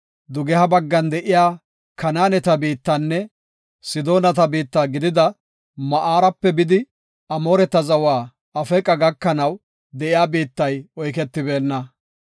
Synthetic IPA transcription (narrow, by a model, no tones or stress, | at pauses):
d̪ʊɡɛhɐbɐɡːɐnd̪ɛʔɪjaː | kʰɐnaːnɛt̪ɐbiːt̪ːɐnːɛ | sɪd̪o̞ːnɐt̪ɐbiːt̪ːaːɡɪd̪ɪd̪ɐ | mɐʔaːɾɐpːɛbɪd̪ɪ | ɐmo̞ːɾɛt̪ːɐzɐwaː | ɐfɛkʼɐɡɐkːɐnɐw | d̪ɛʔɪjaːbiːt̪ːɐjɔjk̬ɛt̪ːɪbe̞ːnːɐ